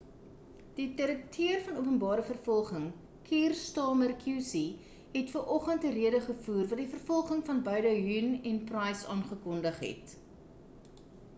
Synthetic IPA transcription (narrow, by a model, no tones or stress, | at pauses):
d̥itəɾək̚tʰiərfɐnuəpənbɑːɾəfərfɔlˠχəŋ | kʰiːrstɑːmərkʰjusi | ɦɛtfərʔɔχəntəriədəχəfuːrvɐtdifərfɔlˠχəŋfɐnbœɥdəɦynɛnprɛjsɑːnχəkɔndəχɦɛ̰t